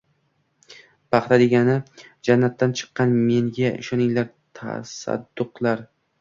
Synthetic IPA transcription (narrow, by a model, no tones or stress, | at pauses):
pʰɑχt̪ʰad̪e̞ɡʲanɪd͡ʒanːat̪ʰːant͡ʃʰɨ̥qːɑnme̞ŋɡʲaɪ̰ʃɒnɪŋlaɾ | t̪ʰa̰sa̰d̪ːʊqlˠaɾ